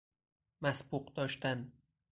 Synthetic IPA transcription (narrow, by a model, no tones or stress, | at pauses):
mæsbuqd̪ɒːʃt̪æn